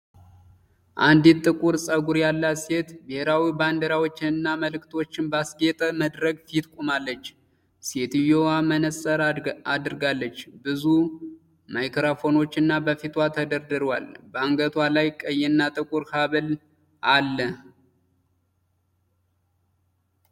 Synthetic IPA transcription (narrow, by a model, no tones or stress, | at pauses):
ʔand̪it̪ʼːɨkʼuɾsʼəɡuɾjalːaset̪bɨheɾawiband̪əɾawo̞t͡ʃːɪnɨnːaməlɨkt̪ʰo̞t͡ʃːɪnbasɡe̞t̪ʼəməd̪ɾəɡfit̪kʷʼumalːət͡ʃː | set̪ɨjowamənəsʼəɾad̪ɨɾɨɡalːət͡ʃːbɨzu | majkɾafo̞no̞t͡ʃːɨnːabəfit̪ʰwat̪ʰəd̪əɾd̪ɨɾwa̰lbəaŋɡət̪ʰwalajkʼəjːɛnːat̪ʼɨkʼuɾkʰaβɨl | ʔalːə